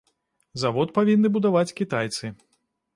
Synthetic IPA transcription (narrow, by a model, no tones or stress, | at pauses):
zavɔt̪̚pavʲinːɨbud̪avat͡sʲkʲit̪ajt̪sɨ